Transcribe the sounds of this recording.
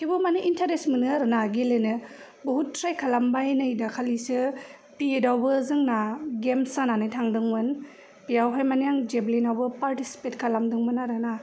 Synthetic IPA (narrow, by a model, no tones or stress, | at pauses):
kʰibɯmanɯʔintʰaɾesmɯnɯaɾɯnaɡelenɯ | bɔɦutʰːɾajkʰalambajnɯjdakʰalisɯ | piedawbɯzɯŋnaɡemsananɯjtʰaŋdɯŋmɯn | pijawɦajmanijaŋd͡ʒeblinawbɯpaɾtisi̥petkʰalamdɯŋmɯnaɾɯna